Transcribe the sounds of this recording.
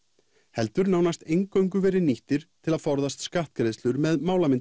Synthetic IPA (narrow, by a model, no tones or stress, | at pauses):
hɛl̪t̪ʏɾnaːwnast̪ejŋkœwŋk̬ʏvɛːɾɪniht̪ɪɾ̥t̪ʰɪlaðfɔɾðast̪skaht̪̚kɾeðst̪ʏɾmɛðmaːwlamɪn